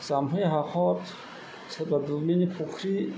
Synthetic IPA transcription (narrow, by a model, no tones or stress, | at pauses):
z̥amɦɔiɦaqʰɔt̪ | sbad̪uminipʰukʰɾi